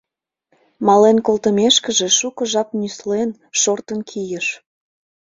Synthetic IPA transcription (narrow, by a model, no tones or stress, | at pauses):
mɑlenkolt̪əmeʃkəʒeʃukəʒɑp̚nyslen | ʃort̪ənkʰijəʃ